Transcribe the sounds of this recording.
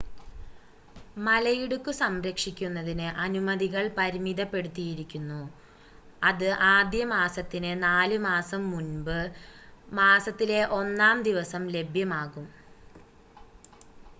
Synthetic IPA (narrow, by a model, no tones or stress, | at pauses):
mɐlɐjiɽukːɨsɐmɾɐkʂikʲːunːɐðinɨʔɐnumɐðiɣɐɭpɐɾimiðɐpːe̞ɽut̪ːijiɾikʲːunːu | ɐðɨʔaːd̪jɐmaːsɐt̪ːinɨnaːlumaːsɐmːunbɨ | maːsɐt̪ːile̞ʔo̞nːaːmd̪iʋɐsɐmle̞bʱjɐmaːɣum